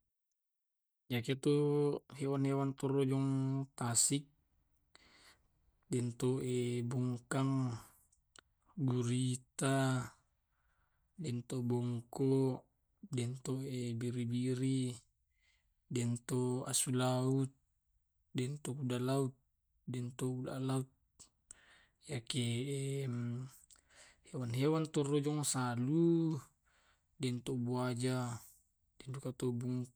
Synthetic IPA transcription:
d͡ʒaket̪uɦɛwanhɛwant̪ɔrɔd͡ʒɔŋt̪asik̚ | dɛnt̪oebuŋkaŋ | ɡuɾit̪a | dɛnt̪obɔŋkɔ | dɛnt̪oebiɾibiɾi | dɛnt̪oasulaut̪̚ | dɛnt̪okudalaut̪̚ | dɛnt̪okudalaut̪̚ | jakem | hewanɦewant̪orod͡ʒɔŋsalu | dɛnt̪obuad͡ʒa | d̥ɛndukat̪obuŋ

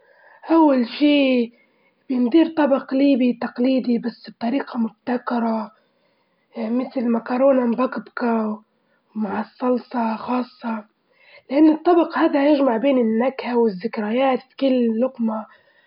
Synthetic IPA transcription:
ʔawːalʃiː | b̥jɪnd̪iːɾt̪ˤɑbɑqliːbit̪aqliːd̪ibasːb̚t̪ˤɑɾiːqɑmʊb̚t̪akɑɾˤɑ | mɪt̪lmakɑɾˤoːnambakbka | wmaʕɑsˤːɑlsˤɑxɑːsˤːɑ | lʔanːɨt̪ˤːɑbɑqhaːd̪ajɪʒmaʕbeːnɪnːakhawɪzːɪkɾajaːt̪fi̥kɪlːɪlːʊqma

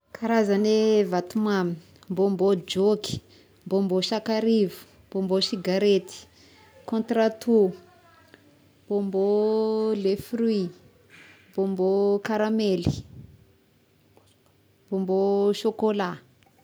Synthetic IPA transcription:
kʰaɾazanevat̪umamin | mbombod͡ʒoki̥ | mbomboʃakaɾivu̥ | mbombosiɡaɾet̪i̥ | kõnt̪ɾat̪u | mbombolefri | mbombokaɾameli̥ | mbomboʃokola

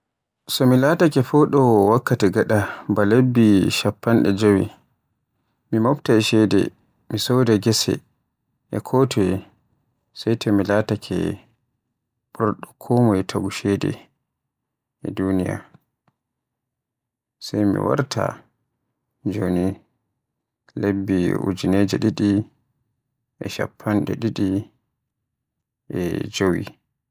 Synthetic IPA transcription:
sɔmilaːtakɛfɔɗɔwakːatɛɡaɗabalebːiʃapːanɗɛ̰d͡ʒowi | mimaptaɛʃɛdɛ̰ | misɔwdɛɡɛsɛ̰ | ʔɛkʰɔtʰɔɛ | sajtʰɔmilatakʰɛ̰ | ɓɔɾɗɔkʰɔmɔɛtʰaɡuʃɛdɛ̰ | ɛdunija̰ | sajmḭwa̰ɾtʰa̰ | d͡ʒoni | lebːiṵd͡ʒined͡ʒɛɗiɗi | ʔɛʃa̰pʰːanɗɛɗiɗi | ʔɛd͡ʒowḭ

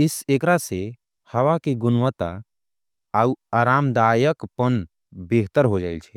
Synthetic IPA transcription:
ɪsekɾase | həʋakiɡʊnʋət̪a̰ | aːuaːɾaːmd̪aːjəkpən | beɦt̪əɾɦod͡ʒaːilt͡ʃʰɛ

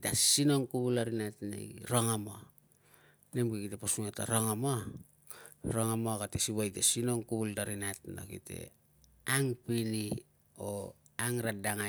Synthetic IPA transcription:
tasino̞ŋkuβulaɾinatna̰jɾoŋamo | nemkekiteposuŋata̰ɾoŋama | ɾoŋamoɡatesiβajtasinoŋkuβuldaɾinatno̰kite̞̰ | aŋpini | o | aŋɾadaŋa

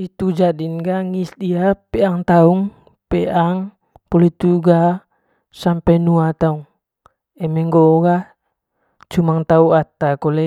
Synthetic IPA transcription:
it̪ud͡ʒadinɡaŋisdiapɛaŋt̪auŋ | pɛʔaŋ | pɔlit̪uɡa | sampɛnuat̪auŋ | ɛmɛŋɡoɡa | t͡ʃumaŋt̪auat̪akolɛ

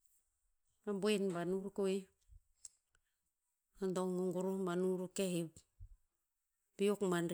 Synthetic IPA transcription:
ambuenbanuɾukoj | andoŋuŋɡuɾumbanuɾukehip | biokmanɾ

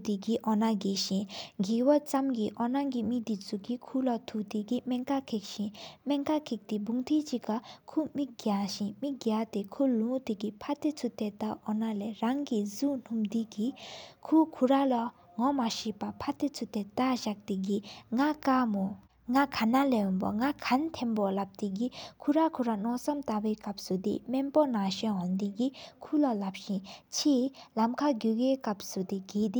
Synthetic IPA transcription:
t̪iɡiʔɔnaɡeɕĩɡiwat͡samɡiʔɔnaɡimid̪it͡sʰukikʰulat̪ʰut̪ikimɛŋkakʰek̚ɕĩmɛŋkakʰek̚t̪ibuŋt̪ʰet͡ɕiʔkakʰumiʔ̚ɡaɕinmiʔ̚ɡat̪ekʰulũt̪ikipʰat̪et͡sʰut̪et̪aʔɔnaleɹaŋkizun̥umd̪ikikʰukʰuɹala | ŋɔmaɕiʔpapʰat̪et͡sʰut̪et̪aɕak̚t̪iɡiŋakamo | ŋakʰanalejɔnpo̰ŋakʰant̪ʰenpolap̚t̪iɡikʰuɹakʰuɾanɔʔsamt̪aweːkap̚sud̪ḛmenponaɕenɦɔnd̪iɡikʰulalap̚ɕint͡ɕʰeːlamkʰaɡukeːkap̚sud̪eɡeːd̪i

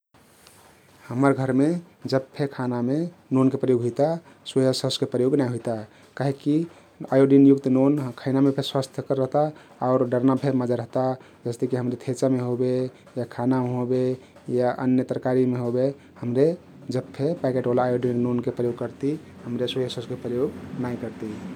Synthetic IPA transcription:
həməɾɡʱəɾme | d͡ʒəbpʰekʰanamenonkepɾəjoɡɦujt̪a | səjəsəskepɾəjoɡnaɦojt̪a | kaɦeki | ajoɖinjukt̪nonkʰaɪnamepʰeswast̪ʰjəkəɾːəɦt̪a | aʊɾɖəɾnapʰeməd͡ʒaɾəɦt̪a | d͡ʒəst̪ekiɦəmɾet̪ʰet͡ʃameɦobe | jakʰanameɦobe | jaʔə̰njət̪əɾəkaɾimeɦobe | həmɾe | d͡ʒəbpʰepakeʈolaːjoɖinnonkepɾəjoɡkəɾt̪i | həmɾeswəjəsəskepɾəjoɡnaikəɾt̪i

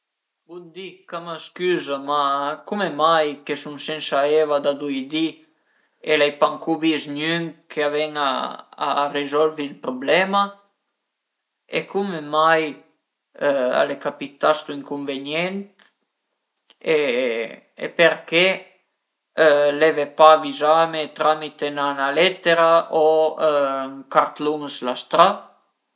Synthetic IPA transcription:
bund̪ikamaskyzamakumɛmajkɛsunsɛnʃaɛvad̪ad̪ujd̪i | ɛlɛjpaŋkuvizɲyŋkʰɛavɛŋa̰ː | rɛzɔlvilpɾɔblɛma | ɛkumɛmaj | a̰lɛkapit̪ast̪uiŋkuɱvɛɲɛnt̪ | ḛː | pɛɾkɛ | lɛvɛpavizamɛt̪ɾamit̪ɛnanalɛt̪ɛɾaʔo | ŋkaɾt̪lunəslast̪ɾa

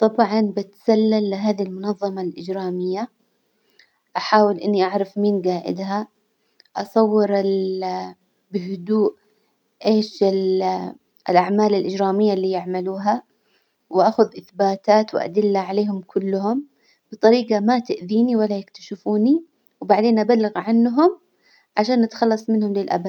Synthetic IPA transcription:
t̪ˤɑbʕɑnbɪt̪salːalːɪɦaːðilmʊnɑðˤːɑmɑlʔɪd͡ʒɾaːmɪjːa | ʔaħaːwɪlʔɪnːiʔaʕɾˤɑfmiːnɡaːʔɪ̰d̪ɦa | ʔɑsˤɑwːɪɾɪl | bɪɦʊd̪uːʔ | ʔeːʃɪ | ɪlʔaʕmaːlɪlʔɪd͡ʒɾaːmɪjːalːiːjɪʕmaluːɦa | wʔaxʊðʔɪθbaːt̪aːt̪wʔa̰d̪ɪlːaʕaleːhʊmkʰʊlːʊɦʊm | b̥ɨt̪ˤɑɾiːqɑmat̪ɪʔðiːniwalːajɪkt̪aʃɪfuːni | wbaʕd̪eːnʔabalːɪɣʕanːɦʊm | ʕaʃaːnʔat̪xɑlːɑsˤmɪnhʊmlilʔa̰ba

